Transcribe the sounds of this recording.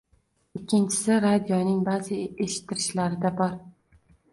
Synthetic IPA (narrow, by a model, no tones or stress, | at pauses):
ɪkʲʰːɪnt͡ʃʰɪ̥sɪɾad̪ijɒnɪŋbazɪʔeʃɪ̥t̪ʰːɪɾɪʃlaɾɪd̪abɒɾ